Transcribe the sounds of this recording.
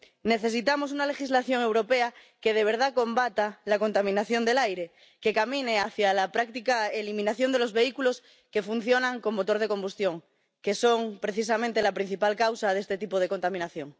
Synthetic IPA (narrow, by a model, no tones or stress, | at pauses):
ne̞θe̞s̬it̪amo̞s̬unale̞xizlaθjo̞ŋe̞wɾo̞pea | keð̞e̞β̞e̞ɾð̞ako̞mbat̪alakont̪amĩnaθjo̞nd̪e̞lajɾe̞ | ke̞kamĩneaθjalapɾak̚t̪ikaelimĩnaθjo̞nd̪e̞lo̞zβe̞ikulo̞s | ke̞fun̟θjo̞nãŋko̞mːot̪o̞ɾðe̞ko̞mbust̪jo̞ŋ | ke̞so̞ŋpɾe̞θis̬amẽnt̪e̞lapɾin̟θipalkawsað̞est̪e̞t̪ipoð̞e̞ko̞nt̪amĩnaθjo̞ŋ